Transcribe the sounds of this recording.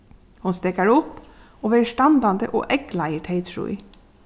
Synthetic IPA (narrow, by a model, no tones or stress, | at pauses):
hʊnst̪eːkəɹʊp | oːʋeːʃʈɑnd̪ɑnd̪ə̰ʔo̰ːʔɛklɑɪəʈʰeɪt̪ɹṵːḭ